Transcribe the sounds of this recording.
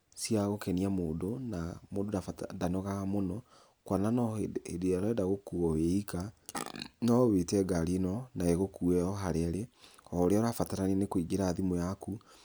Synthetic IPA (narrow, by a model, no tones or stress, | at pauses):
sjaɣokɛniamoːndonamoːdoadanoɣaɣamonɔ | kwananɔediaɾɔɛdaɣokuɔweika | nɔwetɛɡaɾinɔnaeɣokuɛɔɦaɾeɾeɔɾeɔɾafataɾanenekwiɡeɾaːðimojaku